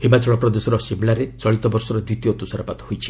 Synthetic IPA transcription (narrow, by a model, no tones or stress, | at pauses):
himat͡ʃɔɭɔpɾɔd̪esɔɾɔsimlaɾet͡ʃɔɭit̪ɔbɔɾsɔɾɔd̪it̪iot̪usaɾapat̪ɔ̥hojt͡ʃʰi̥